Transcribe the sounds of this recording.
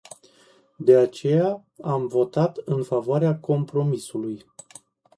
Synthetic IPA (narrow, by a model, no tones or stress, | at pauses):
d̪e̞at͡ʃe̞ja | amvo̞t̪at̪ɨnfavoaɾeako̞mpɾo̞misuluj